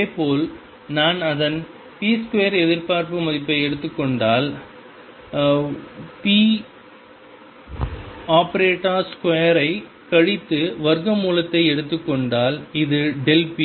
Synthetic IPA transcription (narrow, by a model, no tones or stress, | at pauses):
eːpoːl | naːnɐðɐn | piːskʊɐjɐɾɛðɪɾpaːɾpɯmɐðɪpːɐɪɛɽɯt̪ːɯkːɔɳɖaːl | piː | aːpɐɾeːʈːaːskʊejɐɾɐɪ | kɐɻɪt̪ːɯʋɐɾɣɐmuːlɐt̪ːɐɪɛɽɯt̪ːɯkːɔɳɖaːlɪðɯɖɛlpi